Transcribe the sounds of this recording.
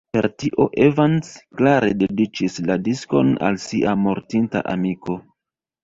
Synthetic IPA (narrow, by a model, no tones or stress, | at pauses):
pe̞ɾtiʔo̞ʔevansklaɾe̞de̞dit͡ʃisladisko̞̰na̰lsiʔamo̞ɾtinta̰ʔamiko̞